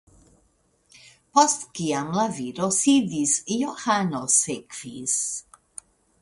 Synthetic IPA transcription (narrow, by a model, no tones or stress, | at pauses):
pɔst̪kiamlaviɾosid̪isjoxanosekvis